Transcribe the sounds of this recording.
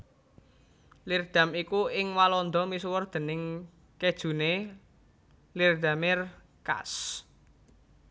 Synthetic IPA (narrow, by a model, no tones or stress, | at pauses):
lird̪̥a̤mikuɪŋwalɔnd̪ɔmisuwərd̪̥ə̤nɪŋ | ked̥ʒ̥ṳne | lird̪̥a̤mɪr | ka̰s